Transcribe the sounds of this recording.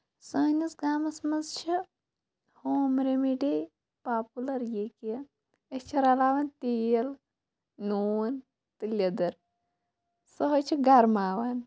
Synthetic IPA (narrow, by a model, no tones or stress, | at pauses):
sɐːnɐsɡaːmɐsmɐnzt͡ʃʰi | hoːmɾemiɖi | paːpulɐɾjekɐ | est͡ʃʰɐɾalaːʋɐnt̪ijɐl | nuːn | t̪ilʲjɐd̪ɐɾ | sɐɦot͡ʃʰiɡɐɾmaːʋɐn